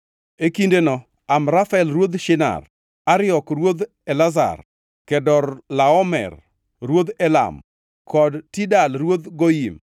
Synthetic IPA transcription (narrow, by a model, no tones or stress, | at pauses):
ekindenɔ | amɾafɛlrwod̪ʃɪna̰r | aɾɪɔkrwod̪ | ɛlaza̰r | kɛdɔɾlaɔmɛ̰r | rwod̪ɛla̰m | kʰɔdtidalrwod̪ɡojim